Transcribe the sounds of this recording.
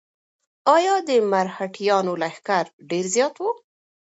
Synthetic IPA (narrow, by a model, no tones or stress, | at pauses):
ɑjɑd̪əmaɾhaʈʰijɑnolaxkaɾɖeɾzjɑt̪wu